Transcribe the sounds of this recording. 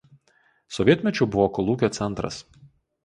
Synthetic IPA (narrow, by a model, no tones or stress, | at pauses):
sɔʋʲiɛt̪ʲmʲɛt͡ʃʲʊbʊʋɔːkɔlˠuːkʲoːt̪sʲɛnˑt̪ɾɐ̰s